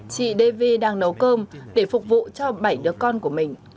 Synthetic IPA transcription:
t͡ɕḭ˧˨ɗe˧ve˧ɗaː˧ŋnə˨˦wkəː˧mɗe˧˩fʊ˨˩k͡p̚vṵ˧˨t͡ɕɔ˧ɓa˧˩jɗɨ˨˦əkɔ˧nku˧˩əmï˨˩ŋ̟

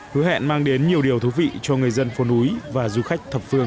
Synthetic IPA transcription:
hɨ˨˦ɦɛ̰˧˨nmaː˧ŋɗe˨˦nɲi˨˩əwɗi˨˩əwt̪ʰu˨˦vḭ˧˨t͡ɕɔ˧ŋɨ˨˩əjzə˧nfo˨˦nʔu˨˦jvaː˨˩zu˧xa˦˥jk̟̚t̪ʰə˨˩p̚fɨ˧əŋ

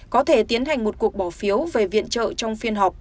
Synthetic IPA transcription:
kɔ˨˦t̪ʰe˧˩t̪i˨˦ənɦa˨˩jŋ̟mo˨˩t̚ku˨˩ək̚ɓɔː˧˩fi˨˦əwve˨˩vḭ˧˨ənt͡ɕə̰ː˧˨t͡ɕɔ˧wŋ͡mfi˧ənɦɔ˨˩k͡p̚

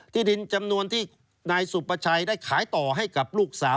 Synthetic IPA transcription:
t̪ʰiː˥˩di˧nt͡ɕa˧mnu˧ənt̪ʰiː˥˩ | naː˧jsu˨˩pːa˧t͡ɕʰa˧jdaː˥˩jkʰaː˩˦jt̪ɔː˨˩ɦa˥˩jka˨˩p̚luː˥˩k̚saː˩˦

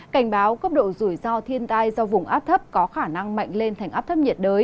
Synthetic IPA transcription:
ka˧˩jŋ̟ɓaː˨˦wkə˦˥p̚ɗo̰˧˨zu˧˩jzɔ˧t̪ʰi˧ənt̪aː˧jzɔ˧vʊ˨˩ŋ͡mʔaː˦˥p̚t̪ʰə˦˥p̚kɔ˨˦xaː˧˩na˧ŋma̰˧˨jŋ̟le˧nt̪ʰa˨˩jʔaː˦˥p̚t̪ʰə˦˥p̚ɲi˨˩ət̚ɗəː˨˦j

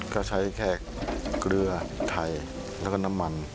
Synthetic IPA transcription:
ka˧˩t͡ɕʰa˦˥jkʰɛː˧˩kkɾɯ˧ɐt̪ʰa˧j | lɛː˦˥˩kɔː˥˩na˦˥mːa˧n

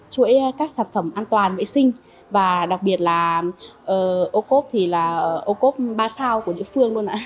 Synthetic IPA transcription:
t͡ɕu˧˥ə˦jkaː˦˥k̚saː˧˩nfə˧˩mʔaː˧nt̪waː˨˩nvə̰˧˥jsï˧ŋ̟ | vaː˨˩ɗa˨˩k͡p̚ɓi˨˩ət̚laː˨˩ʔəː˨˩ʔo˧ko˦˥p̚t̪ʰi˨˩laː˨˩˨ʔo˧ko˦˥p̚ɓaː˧saː˧wkəɗḭ˧˥əfɨ˧əŋlu˧ənʔa̰ː˧˥

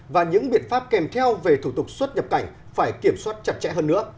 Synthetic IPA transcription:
vaː˨˩ɲɨ̰˧˥ŋɓḭ˧˨ənfaː˦˥p̚kɛ˨˩mt̪ʰɛ˧wve˨˩t̪ʰu˧˩t̪ʊ˨˩k̚swə˦˥t̚ɲə˨˩p̚ka˧˩jŋ̟ | faː˧˩jki˧˩əmswaː˦˥t̚t͡ɕə˨˩t̚t͡ɕɛ̰˧˥ɦəː˧nːɨ̰˧˥ə

